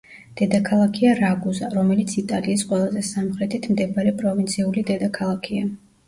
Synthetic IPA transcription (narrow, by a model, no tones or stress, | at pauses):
d̪̥ɛd̪akʰalˠakʰiaɾaɡuzaɾɔmɛlit̪sʰit̪ʼaliːsqʼwɛlˠazɛsamχɾɛt̪ʰit̪ʰmd̪ɛbaɾɛpʼɾɔvint̪sʰiulid̪ɛd̪akʰalˠakʰia